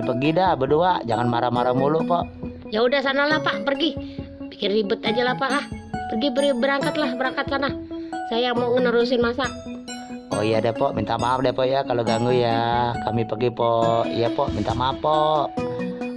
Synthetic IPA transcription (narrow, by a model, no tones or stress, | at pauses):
pərɡidabəduaʔd͡ʒaŋanmaɾamaɾamuluʔpɔʔ | jaudahsanahlahpaʔpərɡi | pikɪnibʊt̪ad͡ʒalahpaʔapərɡibəɾibəɾaŋkat̪lahbəɾaŋkat̪̚sanahsajamoŋənəɾus̬ɪnmasaʔ | ɔ̰ijadɛpɔʔmint̪amapdɛpɔʔjakaloɡaŋujakamipərɡipɔʔijapɔʔmint̪aʔmapɔʔ